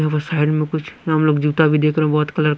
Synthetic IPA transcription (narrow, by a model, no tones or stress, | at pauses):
ɦɐʋasaːɪɖmẽkʊt͡ʃʰɦɐmloːɡd͡ʒuːt̪abʱid̪eːkʰɾɛɛ̃bɔːt̪kɐləɾ